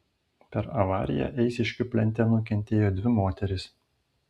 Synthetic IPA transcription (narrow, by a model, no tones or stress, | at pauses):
pʲɛɾɐʋɑ̰ːɾʲɪ̰jɛ̰ʔɛɪsʲɪʃʲkʲʊpʲlʲɛnʲt̪ʲɛnʊkʲɛnʲt̪ʲeːjoːd̪ʲʋʲɪmoːt̪ʲɛɾʲɪs